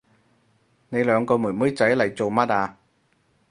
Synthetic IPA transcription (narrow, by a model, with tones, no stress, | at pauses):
ne˨˧jlœː˨˥ŋkɔː˧mu˨˩jməː˨˥əjt͡ɕa˨˥jla̰ː˨˩jt͡ɕo˨˩wmaː˦˥ɗaː˨˧